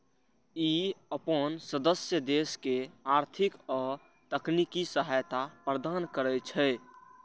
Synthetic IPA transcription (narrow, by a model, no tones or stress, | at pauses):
iəpənsəd̪əsjəd̪eskeaɾt̪ʰikɔ | t̪əknikisəɦajt̪apɾəd̪ankəɾɛt͡ʃʰɛɪ